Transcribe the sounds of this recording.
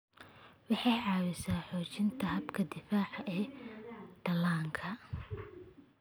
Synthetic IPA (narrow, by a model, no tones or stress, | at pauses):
wɑħɑjʕɑːwɪsaːħɔːt͡ʃɪnt̪ʰɐhɐbkʰɐd̪ɪfaːʕɐʔɛː | d̪̥ɐlaːŋkʰɐ